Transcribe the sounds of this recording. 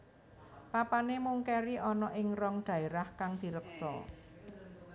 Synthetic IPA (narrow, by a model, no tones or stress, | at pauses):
papanemuŋkɛɾiʔɔnɔʔɪŋrɔŋɖ̪̥ä̤eɾahkaŋd̪̥i̤ɾəksɔ̰